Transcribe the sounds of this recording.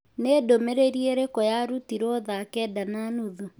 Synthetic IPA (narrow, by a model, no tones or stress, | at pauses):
nedomeɾeɾieɾekɔjaɾutiɾɔðakɛdananuðo